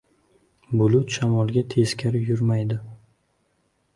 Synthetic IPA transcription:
bʊlˠʊt̪ʃamɒlˠɡʲat̪ʰe̞skʲʰaɾjʊɾmajd̪ɪ

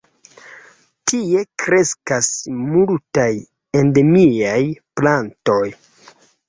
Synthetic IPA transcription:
tie̞kɾe̞skasmultaj | e̞ndemiajplanto̞j

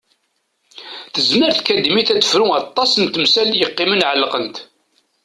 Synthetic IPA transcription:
θəzməɾθkæd̪imiθæt͡sːə̥fɾuɑt̪ˤːɑsənt̪əmsæljəqːɪmənʕəlqənt̪

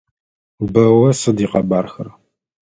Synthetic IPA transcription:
bɐwɐsɨdiːqɐbaːrxɐr

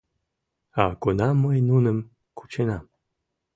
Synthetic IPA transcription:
aɡunamːəjnunəm | kʰu̥t͡ɕenam

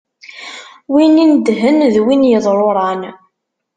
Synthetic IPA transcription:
winind̪ɦənðwinjəðˤɾˤoɾˤɑn

